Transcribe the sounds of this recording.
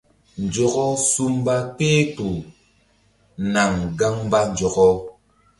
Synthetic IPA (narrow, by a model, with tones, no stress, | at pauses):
n̩˨d͡ʒɔ˦kɔ˦su˦mba˦k͡peː˦tu˨ | na˨ŋɡa˦ŋ˦ba˦n˨d͡ʒɔ˨kɔ˦